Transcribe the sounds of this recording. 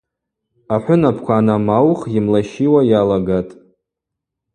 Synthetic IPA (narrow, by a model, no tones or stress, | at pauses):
aħʷʊnapʰkʷʰaːnamawχjɪmlaʃiwajalaɡatʼ